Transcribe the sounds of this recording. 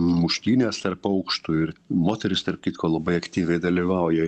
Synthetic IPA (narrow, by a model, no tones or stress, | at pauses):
mʊʃʲt̪ʲiːnʲeːst̪ɐrpɐʊkʃt̪ʊɪrmoːt̪ʲɛɾʲɪst̪ɐrp̚t̪ʲiːt̪koːlˠɐbɐɪɐkt̪ʲiːʋʲɛɪd̪ɐlʲiʋɐʊjɛ